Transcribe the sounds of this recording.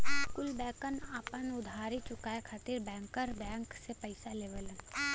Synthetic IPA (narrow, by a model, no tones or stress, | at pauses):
kʊlbɛ̃ːkənapənʊd̪ʱaːɾit͡ʃʊkaekʰat̪iɾbɛ̃ːŋkəɾbɛ̃ːŋksepɐɪsaleːʋəl